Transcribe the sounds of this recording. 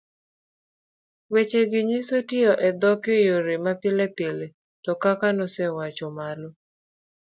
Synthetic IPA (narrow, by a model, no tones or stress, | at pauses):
wet͡ʃeɡɪɲisotɪɔʔɛd̪ɔkejoɾemapɪlɛpele | tɔkakanɔsɛwat͡ʃɔmalɔ